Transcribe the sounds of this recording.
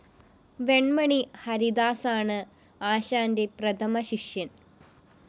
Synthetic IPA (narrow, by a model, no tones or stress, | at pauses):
ʋe̞ɳmɐɳihɐɾid̪aːsaːɳɨ | aːɕaːnde̞prɐt̪ʰɐmɐɕiʂjɐn